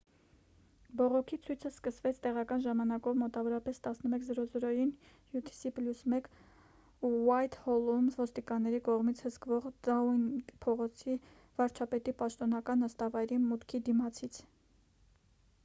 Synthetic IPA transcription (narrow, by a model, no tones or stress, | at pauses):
bɔʁɔkʰit͡sʰujt͡sʰəskəsvɛt͡sʰt̪ɛʁɑkɑnʒɑmɑnɑkɔvmɔt̪ɑvɔɾɑpɛst̪ɑsnəmɛkʰzəɾɔzɾɔjin | jut̪ʰi̥sipljusmɛk | uwɑjt̪hɔlumvɔst̪ikɑnːɛɾikɔʁmit͡sʰhəskvɔʁd̪ɑujnpʰɔʁɔt͡sʰi | vɑɾt͡ʃʰɑpɛt̪ipɑʃt̪ɔnɑkɑnəst̪ɑvɑjɾimut̪kʰid̪imɑt͡sʰit͡sʰ